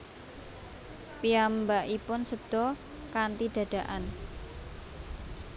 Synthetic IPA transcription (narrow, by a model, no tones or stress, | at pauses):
piambaʔipʊnsəd̪̥ɔ | kant̪iɖ̪̥ä̤d̪̥a̤ʔan